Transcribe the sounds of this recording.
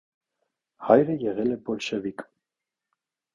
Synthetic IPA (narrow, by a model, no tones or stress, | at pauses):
hɑjɾəjɛʁɛlɛbɔlʃɛvik